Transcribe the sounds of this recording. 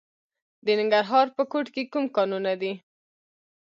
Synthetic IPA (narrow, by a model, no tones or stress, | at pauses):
d̪ənɪŋɡaɾɦɑɾpəkoʈkekumkɑnunad̪i